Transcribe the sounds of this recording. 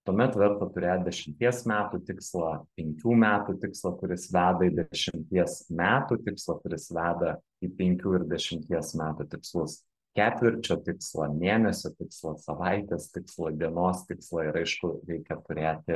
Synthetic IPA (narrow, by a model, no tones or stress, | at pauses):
t̪uɔmʲɛt̪ʋʲɛɾt̪ɐt̪ʊɾʲeːt̪̚d̪ʲɛʃʲɪmʲt̪ʲiɛsmʲæːt̪uːt̪ʲɪkslˠɐpʲɛŋʲkʲuːmʲæːt̪uːt̪ʲɪkslˠɐkʊɾʲɪsʋʲæːd̪ɐɪd̪ʲɛʃʲɪmʲt̪ʲiɛsmʲæːt̪uːt̪ʲɪkslˠɐkʊɾʲɪsʋʲæːd̪ɐ | iːpʲɛŋʲkʲuːɪɾd̪ʲɛʃʲɪmʲt̪ʲiɛsmʲæːt̪uːt̪ʲɪkslˠʊs | kʲæːt̪ʲʋʲɪɾʲt͡ʃʲoːt̪ʲɪkslˠɐmʲeːnʲɛsʲoːt̪ʲɪkslˠɐsɐʋɐɪt̪ʲeːst̪ʲɪkslˠɐd̪ʲiɛnoːst̪ʲɪkslˠɐɪɾɐɪʃkʊɾʲɛɪkʲɛt̪ʊɾʲeːt̪ʲɪ